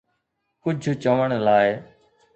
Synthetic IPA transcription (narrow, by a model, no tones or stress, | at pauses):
kʊd͡ʒʱt͡ʃəʋəɽ̃laːɪ